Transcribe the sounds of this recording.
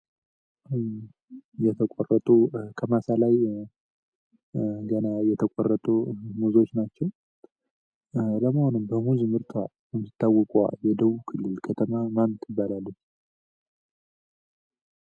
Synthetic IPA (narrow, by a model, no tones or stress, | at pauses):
jɛt̪ʰəkʷʼorːət̪ʼukʰəmasalaj | ɡənajɛt̪ʰəkʷʼorːət̪ʼumuzo̞t͡ʃːnat͡ʃːɛw | ləməhonɨmbəmuzmɨɾt̪ʰwa | jɨmsit̪ʰːawːɔkʼua̰jɛd̪əβukʰɨlːɨlkʰət̪ʰəmamamt̪ʰjɪbːalalːə